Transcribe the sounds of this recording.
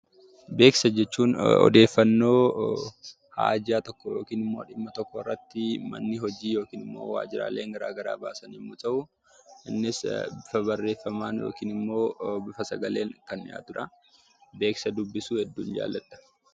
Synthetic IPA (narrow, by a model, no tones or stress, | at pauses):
be̞ːksɐd͡ʒɛt͡ʃːuːnɔ̰d̪e̞ːfːɐnːo̞ː | ha̰ːd͡ʒaːt̪ɔkːɔjo̞ːkiːnɪmːo̞ːᶑɪmːɐt̪ɔkːɔɪrːɐt̪ːɪmɐ̰nːɪɦɔd͡ʒiːjo̞ːkiːnɪmːo̞̰ːwa̰ːd͡ʒɪɾa̰ːle̞ːŋɡɐɾaːɡɐɾa̰ːbaːsɐnimːʊt̪ɐʔʊ | ʔɪnːɪsbɪfɐbɐrːe̞ːfːɐmaːnjo̰ːkiːnɪmːo̞ːbɪfɐsɐɡɐle̞ːŋkɐnɪja̰ːt̪ʊᶑɐ | be̞ːksɐd̪ʊbːɪsuːhɛd̪ːuːnd͡ʒa̰ːlːɐᶑɐ̥